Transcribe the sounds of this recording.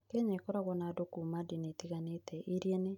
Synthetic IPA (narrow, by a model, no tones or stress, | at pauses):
kɛɲaekɔɾaɣɔnadokumadinetiɣanetʰɛʔiɾjɛne